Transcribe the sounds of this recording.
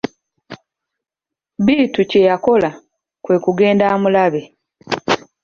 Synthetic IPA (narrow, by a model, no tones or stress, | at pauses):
biːtuce̞jako̞la | kwe̞ːkuɡe̞ːndaːmulaβe̞